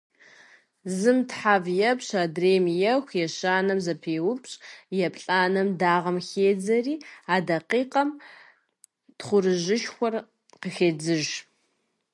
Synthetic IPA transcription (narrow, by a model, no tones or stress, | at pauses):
zɨmtħaːvjɛpɕaːdreːmjɛxʷjɛɕaːnɐmzɐpʰeːwʊpʰɕʼjɛpʼɬʼaːnɐmdaːʁɐmxeːd͡zɐriːaːdɐqiːqɐm | tχʷʊɾɨʒɨʃxʷɔr | qəxeːd͡zɨʒ